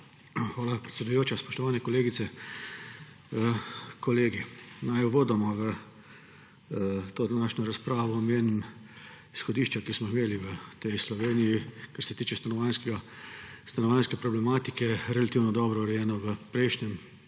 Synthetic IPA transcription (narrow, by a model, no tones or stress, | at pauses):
xʋaːlapɾɛt̪sɛd̪ujoːt͡ʃaspɔ̥ʃt̪ɔʋaːnɛkɔleːɡit̪sɛ | əkɔleːɡinajɔʋoːd̪amɔʋə | t̪oːd̪anaːʃnɔɾaspɾaːʋɔːmeːnm | isxɔd̪iːʃt͡ʃakismɔimeːliʋət̪ɛjslɔʋeːnijikaɾsɛt̪iːt͡ʃɛst̪anɔʋanskɡast̪anɔʋanskɛpɾɔblɛmaːt̪ikɛɾɛlat̪iːwnɔd̪ɔːbɾɔɾɛjɛːnɔʋəpɾɛjʃnɛm